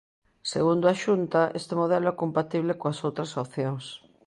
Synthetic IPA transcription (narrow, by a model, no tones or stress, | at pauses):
seɣund̪ʊaʃunt̪aʔest̪emoðɛloɛkompat̪iβ̞lekoasowt̪ɾɐsopθjoŋs